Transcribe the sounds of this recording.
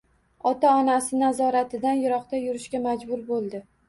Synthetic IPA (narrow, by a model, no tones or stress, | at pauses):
ɒt̪ʰaɒnasɪnazɒɾat̪ʰɪd̪anjʊɾɒqt̪ajʊɾɪʃkʲamad͡ʒbʊɾbolˠd̪ɪ